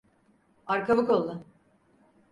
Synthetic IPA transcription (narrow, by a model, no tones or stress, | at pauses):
aɾkʰavɯkolˠːʊ